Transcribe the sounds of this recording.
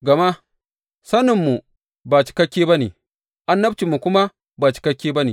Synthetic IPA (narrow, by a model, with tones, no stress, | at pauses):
ɡɐ˨ma˦ | sɐ˦nɪ˨mːu˨ | ba˨t͡ʃi̥˨kɐ˦kʲːeː˦bɐ˦nḛː˨ | ʔa˦nːɐ˦b̚t͡ʃi˨mːu˨kʷʊ˦ma˦ | ba˨t͡ʃi̥˨kɐ˦kʲːeː˦bɐ˦neː˨